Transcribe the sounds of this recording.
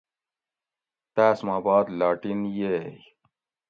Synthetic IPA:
t̪æːsmaːbaːd̪laːʈinjej

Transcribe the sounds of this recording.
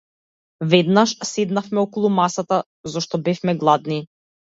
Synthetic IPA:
vɛd̪naʃsɛd̪nafmɛɔkɔlˠumasat̪a | zɔʃt̪ɔbɛfmɛɡlˠad̪ni

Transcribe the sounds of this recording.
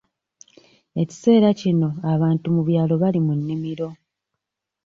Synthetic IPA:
e̞ci̥se̞ːɾacino̞aβaːntumuβjaːlo̞βalimunːimiɾo̞

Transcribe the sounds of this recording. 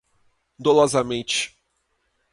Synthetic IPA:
d̪olɔzɐmẽt͡ʃɪ̥

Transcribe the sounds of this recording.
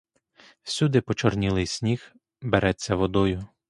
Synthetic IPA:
wsʲud̪ɪpɔt͡ʃɔrnʲilˠɪjsʲnʲix | beɾɛt͡sʲːɐʋɔd̪ɔjʊ

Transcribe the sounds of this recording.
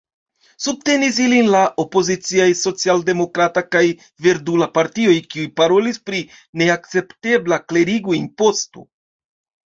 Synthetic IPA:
sub̚te̞nis̬ilinlaʔo̞po̞zit͡siajso̞t͡sialde̞mo̞kɾatakaj | veɾdulapaɾtio̞jkiujpaɾolispɾi | ne̞ak̚t͡se̞pte̞blakle̞ɾiɡujinpo̞st̪o̰

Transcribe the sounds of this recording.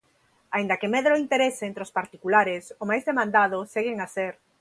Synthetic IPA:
aind̪akemeðɾoint̪eɾeseːnt̪ɾospaɾt̪ikulaɾesomajzðemãnd̪að̞oseɣeŋaseɾ

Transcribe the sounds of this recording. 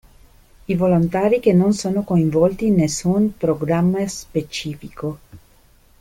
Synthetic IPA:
ivolont̪aːɾikenːonsoːnokoiɱvɔlt̪iːnːesːunpɾoɡɾamːaspet͡ʃiːfiko

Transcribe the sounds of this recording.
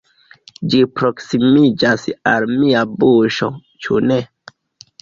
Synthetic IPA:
d͡ʒipɾo̞ksimid͡ʒasalmiabuʃo̰ | t͡ʃṵne̞

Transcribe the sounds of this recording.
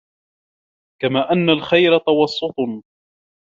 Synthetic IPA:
kamaːʔanːalxajɾat̪ɑwɑsˤːʊt̪ˤ

